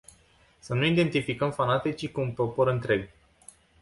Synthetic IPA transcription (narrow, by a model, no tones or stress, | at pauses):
sənuid̪e̞nt̪ifikəmfanat̪et͡ʃikuunpɾo̞po̞ɾɨnt̪ɾe̞ɡ